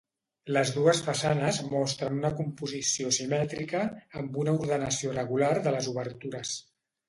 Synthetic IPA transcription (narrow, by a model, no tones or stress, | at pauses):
ləzðuəsfəsanəzmɔst̪ɾənunəkumpuzisiosimɛt̪ɾikəːmbunəuɾðənəsiorəɣularðələzuβəɾt̪uɾəs